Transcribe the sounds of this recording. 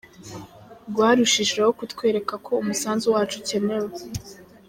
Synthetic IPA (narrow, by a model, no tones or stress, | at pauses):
ɾɡwaːɾuʃiʃwehokutkwe̞ːɾe̞kakʰo̞umusaːnzuwaːt͡ʃuce̞me̞we